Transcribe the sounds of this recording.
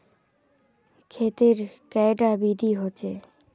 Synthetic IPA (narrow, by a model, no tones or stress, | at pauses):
kʰet̪eɾkɛjɖabid̪ʱiɦoːt͡ɕʰe